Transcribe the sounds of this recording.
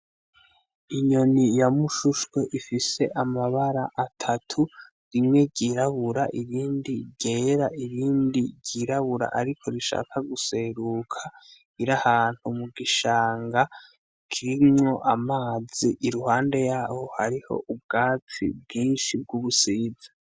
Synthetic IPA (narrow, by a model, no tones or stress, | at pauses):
iɲo̞nijamuʃuʃwe̞ʔifise̞ʔamaβaɾaʔatʰatʰu | ɾimŋe̞ɟiːɾaβuɾaʔiβiːndiɟe̞ːɾaʔiβiːndiɟiːɾaβuɾa̰ʔaɾikʰo̞ɾiʃa̰ːkʰaɡuse̞ɾukʰa | iɾahaːn̥humuɡiʃaːŋɡa | kʰiɾimŋo̞ʔamaːz̥iʔːɾuhaːnde̞jaːho̞haɾiho̞̰ʔub̚ɡaːt͡sḭb̚ɡiːnʃib̚ɡuβusiːzḁ